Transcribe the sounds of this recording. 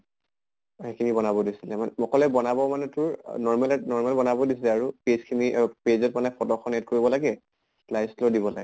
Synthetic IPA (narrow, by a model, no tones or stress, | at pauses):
ɛkimibɔnabɔdisilɛmanɔkɔlɛbɔnabɔmanɛtʊɹnɔɹmɛlnɔɹmalbɔnabɔdisilɛaɹupezkʰimiʔpezɔtmanɛpɔtɔxʰɔnɛt̚koɹibɔlaɡɛ | klajslɔdibɔla̰ɡɛ